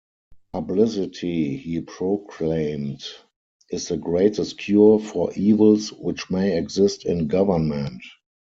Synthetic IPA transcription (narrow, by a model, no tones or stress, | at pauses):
pʰablɪsɪtʰihiːpʰɹokʰlẽɪ̃mt | ɪsðəɡɹeɪtʰəstkʰjufɔʔiːvəlswɪt͡ʃmeɪɛɡzɪstɪ̃nɡavə˞nmə̃nt